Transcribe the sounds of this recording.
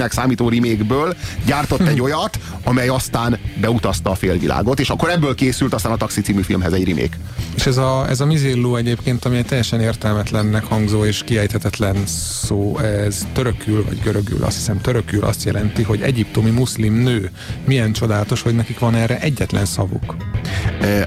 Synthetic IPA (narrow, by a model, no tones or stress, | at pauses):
nɛksaːmiːt̪oːɾimeːɡbøːlɟaːrt̪ot̪ːɛɟːojɒt̪ | ɒmɛjɒst̪aːnbɛut̪ɒst̪ɒːfeːlvilʔa̰ːɡo̞t̪eːʃɒkːoɾɛbːøːlkeːsylt̪ɒst̪aːnɒt̪ɒksit̪siːmifilmɦɛzɛɟrimḛːk | eːʃɛzɒɛ̰zɒmizeːlːoːɛɟeːpkeːnt̪ɒmiɛt̪ɛjːɛʃɛneːrt̪ɛlmɛt̪lɛnːɛkhɒŋɡzoːeːʃkiɛjt̪ʰɛt̪ɛt̪lɛnsoːɛz̥t̪øɾøkylvɒ̰ɟɡøɾøɡy̰lʔɒ̰st̪hi̥sɛmt̪øɾøky̰lʔɒ̰st̪jɛ̰lɛnt̪iɦo̞ɟɛɟip̚t̪o̞mimuslimnøː | mijɛnt͡ʃo̞d̪aːlɒt̪o̞ʃhoɟnɛkikʋɒnɛrɛʔɛɟːɛt̪lɛnsɒvṵkː